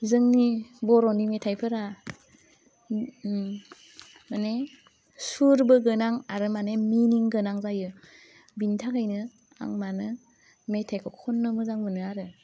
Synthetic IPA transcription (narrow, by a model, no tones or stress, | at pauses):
zɯŋnibɔɾɔnimetʰajpʰɯɾa | mane | suɾbɯɡɯnaŋaɾɯmaneminiŋɡɯnaŋzajɯ | bintʰakʰajnɯ | a̰ŋmanɯ | metʰajkʰɔkʰɔnːɯmɯzaŋmɯnɯaɾɯ